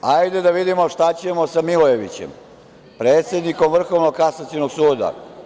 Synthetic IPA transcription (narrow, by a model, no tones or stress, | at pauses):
ajd̪ed̪aʋid̪imo̞ʃt̪at͡ɕe̞mo̞samiloje̞ʋḭt͡ɕḛm | pɾeːt̪sʲjed̪niko̞mvr̩xo̞ʋnoɡ̚kasasinoɡsuːd̪a̰